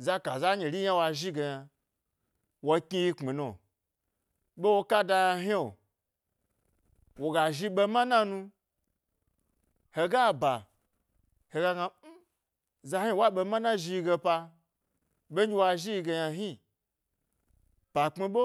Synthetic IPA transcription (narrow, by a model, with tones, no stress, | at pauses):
za˦ka˨za˦ɲe˨ɾʲi˦ja˦wa˧ʒi˦ɡe˧ja˧ | wa˧ki˧ji˧k͡pi˨no˨ | ɓe˦wo˧ka˦da˧ja˧ɦi˦o˨ | wo˨ɡa˨ʒi˧ɓe˧ma˦na˦nũ˧ | he˧ɡa˦ba˨ | he˧ɡa˧ɡa˧˦ | za˧˦hi˦wa˦ɓe˧mã˦na˦ʒi˧i˧ɡe˧pa˧ | ɓe˦i˧wa˧ʒi˦i˧ɡe˧ja˧ɦi˦ | pa˨k͡pi˧ɓo˦